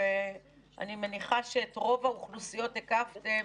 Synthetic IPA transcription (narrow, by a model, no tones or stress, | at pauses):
e | ʔa̰nimeniχaʃeːtʁo̞vauχlusijo̞tekafte